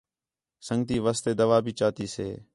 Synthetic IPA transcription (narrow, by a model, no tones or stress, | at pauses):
səŋɡt̪iːʋaːst̪eːd̪əʋaːbʱiːt͡ʃaːt̪iːsḛː